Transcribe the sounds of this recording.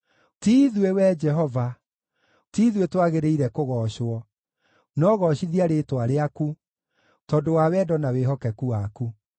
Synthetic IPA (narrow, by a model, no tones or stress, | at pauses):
tiːðwewɛd͡ʒɛɦɔva | tiːðuetwaɣeɾeiɾɛkoɣɔːɕwɔ | nɔɣɔɕiðiaɾetwaɾeaku | tɔdowawɛːdɔnaweɦɔkɛkuwaku